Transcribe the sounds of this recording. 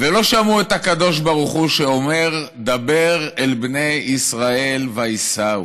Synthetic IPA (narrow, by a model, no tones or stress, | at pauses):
velo̞ʃamuet̪hakad̪o̞ʃ̬baʁuχuʃeo̞me̞ʁ | d̪abe̞ʁelbne̞jisʁae̞lvaisau